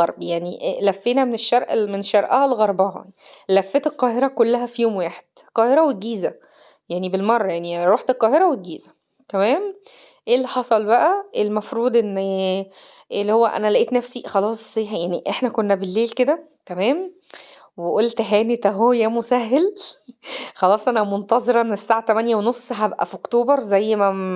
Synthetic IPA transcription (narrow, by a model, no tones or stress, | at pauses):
ɑɾˤbjaʕniʔlæfːeːnæmeneʃːɑɾʔmeneʃːɑɾˤʔɑhælɣɑɾˤbɑɦɑ̰ | læfːet̪elqɑːheɾˤɑkolːæɦæfijoːmwaːħe̥d̪̥ | qɑːheɾæwet̪̚ɡiːzæ | jaʕnibelmɑrˤːɑjaʕniɾˤoːħt̪elqɑːheɾɑwet̪̚ɡiːzæ̥ | t̪æmæːm | ʔeːlːiħɑsˤɑlbæʔæʔelmɑfɾuːd̪ʔenː | ʔelːihowːæʔæ̰nælæʔeːt̪næfsixɑlɑːsˤjaʕniʔeħnækonːæbelːeːlked̪æ | t̪æmæːm | weʔolt̪ɦæːnet̪æɦoːjæmosæɦːel | xɑlɑːsˤʔænæmont̪ɑzˤeɾɑʔenːesːaːʕat̪æmænjæwenosˤɦæbʔæ̰fʔokt̪oːbɑɾˤzæjːmæ